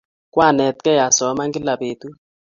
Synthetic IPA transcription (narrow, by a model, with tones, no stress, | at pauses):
kwa˦˨nɛ˨t̚kɛ˦ja˨sɔ˨˦ma˦ŋɡi˦la˨peː˨tu˦